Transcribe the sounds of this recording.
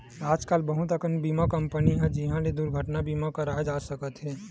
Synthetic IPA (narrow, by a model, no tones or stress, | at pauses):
aːd͡ʒkaːlbəɦʊt̪əkənbiːmakə̃mpəniɦɛ̃d͡ʒɪɦãled̪uɾɡʱəʈnabiːmakəɾaːd͡ʒaːsəkət̪ɦɛː